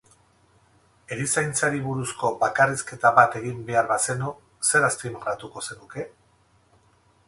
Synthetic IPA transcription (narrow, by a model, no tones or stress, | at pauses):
e̞ɾisajnt͡saɾiβuɾusko̞bakariske̞t̪aβat̪e̞ɣimbe̞aɾβase̞no | se̞ɾast̪imɣɾat̪uko̞se̞nuke̞